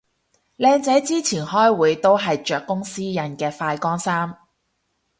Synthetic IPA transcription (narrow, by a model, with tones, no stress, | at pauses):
lɛː˧ŋt͡sɐ˨˥jt͡siː˥t͡sʰiː˨˩nhɔː˥jwuː˨˧jt̪o˥wɦɐ˨jt͡ʃœː˨kːʊ˥ŋsiː˥jɐ˨˩nkɛː˧faː˧jkɔː˥ŋsaː˥m